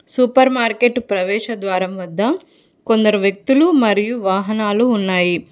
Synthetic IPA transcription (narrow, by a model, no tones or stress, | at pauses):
supɐɾmaːɾkeʈpɾɐʋɛːʃɐd̪ʋaːɾɐmʋɐd̪ːɐ | ko̞nd̪ɐɾuʋjɐk̚t̪ulumɐɾijuʋaːɦɐnaːluːnːaːji